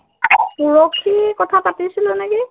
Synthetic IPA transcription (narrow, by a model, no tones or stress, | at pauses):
puɹokʰːikɔtʰapatisilonɛki